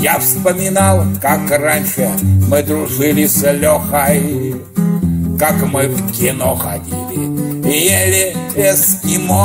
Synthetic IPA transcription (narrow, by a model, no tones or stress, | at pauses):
jafspəmʲɪnalˠkakranʲʂɨmɨd̪ɾʊʐɨlʲɪsʲəlʲoxaj | kakmɨfkʲɪnoxadʲilʲɪjelʲɪeskʲɪmo